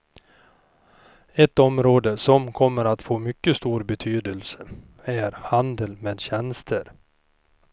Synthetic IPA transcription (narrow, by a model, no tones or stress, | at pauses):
ɛt̪ɔmɾoːd̪əsɔmkʰɔmːəɾat̪foːmʏkːəst̪uːɾbɛt̪ʰyːd̪əlsə | æɾhand̪əlmeːd̪ɕɛnst̪ʰəɾ